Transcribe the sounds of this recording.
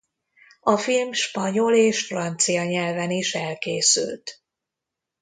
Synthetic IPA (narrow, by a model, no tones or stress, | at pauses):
ɒfilmʃpɒɲo̞leːʃfrɒnt̪sijɒɲɛlvɛniʃɛlkeːsy̰lt̪